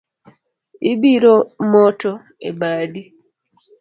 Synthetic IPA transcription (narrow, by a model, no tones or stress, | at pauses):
ibiɾomɔtɔ | ḛbaːdi